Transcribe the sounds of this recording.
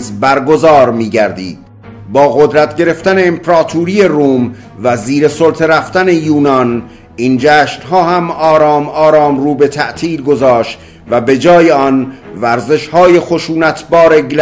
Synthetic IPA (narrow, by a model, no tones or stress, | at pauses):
zbæɾɡo̞zɒːɾmiːɟæɾd̪ḭːd̪̥̚ | bɒːɣod̪ɾæt̪ʰɟe̞ɾe̞ft̪æne̞ːmpʰɾɒːt̪ʰuːɾije̞ruːm | væziːɾesolt̪ʰeɾæft̪æne̞juːnɒn | ind͡ʒæːʃnɦɒːhæmɒːɾɒːmɒːɾɒːmɾuːbe̞t̪ʰæʔt̪ʰiːlɡo̞zɒːʃt̪ | væbe̞d͡ʒɒːjeɒnvæɾze̞ʃhɒːje̞xo̞ʃuːnæt̪ʰbɒːɾe̞ɡl